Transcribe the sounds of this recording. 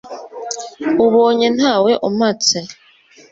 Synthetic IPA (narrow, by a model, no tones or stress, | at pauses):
uβoːɲenhaːweʔomat͡se